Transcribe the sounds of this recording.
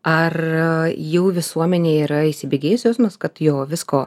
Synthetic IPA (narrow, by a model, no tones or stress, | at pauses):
ɐr | juːʋʲɪsuɔmʲɛnʲeːiːɾɐiʃʲsʲɪbʲeːɡʲeːjʊsʲʋʲsmɐskɐt̪joːʋʲɪskoː